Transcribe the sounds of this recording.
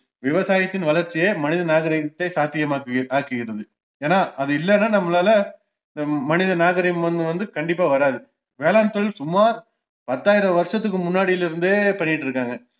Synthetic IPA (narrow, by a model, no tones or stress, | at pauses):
ʋɪʋɐsaːjɐt̪ːɪnʋɐlɐɾt͡ʃːɪjeːmɐnɪðɐnaːɣɐɾɪɐt̪ːɐɪsaːt̪ːɪjɐmaːkɯʔaːkɯɣɪɾɐðɯ | eːnːaːʔɐðɯɪlːɛnːaːnɐmːɐlaːlɐ | ɪnd̪ɐmɐnɪðɐnaːɣɐɾɪjɐmʋɐnd̪ɯʋɐnd̪ɯkɐɳɖɪpːaːʋɐɾaːðɯ | ʋeːlaːnɐt̪ːlsʊmaːɾ | pɐt̪ːaːjɪɾɐʋɐɾʂɐt̪̬ːɯkːɯmʊnːaːɽɪjɪlɪɾɯnd̪eːpɐɳːɪʈːɾɯkːaːŋɡɐ